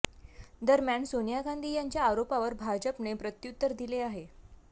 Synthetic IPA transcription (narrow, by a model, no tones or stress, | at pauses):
d̪əɾmjaɳsonijaɡãnd̪ʱiːjaɲt͡ɕjaːɾopaʋəɾbʱad͡ʑəpnepɾət̪jut̪ːəɾd̪ileaɦe